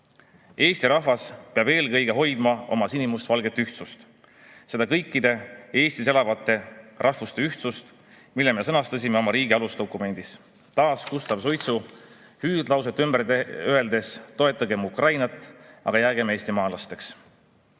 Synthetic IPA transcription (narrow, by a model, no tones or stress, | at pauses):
e̞ːst̪iɾɑhvɑspeɑbe̞ːlkɤjɡe̞ɦo̞jd̪̥mɑo̞̰mɑsinimust̪vɑlɡe̞t̪ːyht̪sust̪ | se̞d̪ɑkɤ̞jkːˑid̪̥e̞e̞ːsʲt̪ise̞lɑvɑt̪ːˑe̞rʔɑhvust̪e̞yht̪sust̪ | milːeme̞sɤnɑst̪ɑsʲime̞o̞mɑɾiːɡiɑlust̪o̞kːˑume̞nʲd̪̥is | t̪ɑːskust̪ɑb̥sojt̪su | hyːd̪lɑws̬et̪ːˑymb̥ereye̞ld̪e̞st̪o̞e̞t̪ːˑɑɡe̞mukrɑjnɑt̪ˑːɑ̰ɡ̥ɑjæːɡeme̞ːsʲt̪imɑːlɑst̪e̞ks